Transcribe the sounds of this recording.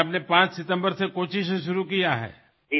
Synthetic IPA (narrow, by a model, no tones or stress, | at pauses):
ɐpnepãːt͡ʃsɪt̪ə̃mbəɾsekoːʃɪʃʃ̬ʊɾukijaɦɛ̰ː